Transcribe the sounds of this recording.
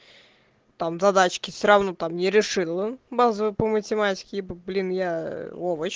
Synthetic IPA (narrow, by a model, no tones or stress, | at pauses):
t̪amzad̪at͡ɕkʲɪfsʲoɾawnɔt̪amnʲɪɾʲɪʂɨlˠəbazəvɨpəmətʲɪmat͡sʲɪ̥kʲɪbblʲinjaɔvət͡ɕ